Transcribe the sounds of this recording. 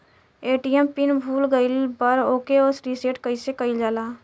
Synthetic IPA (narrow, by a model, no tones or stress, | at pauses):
eːʈijempɪnbʱuːlɡəɪlbəɾoːkeosɾiːseːʈkəisekəɪld͡ʒaːlaː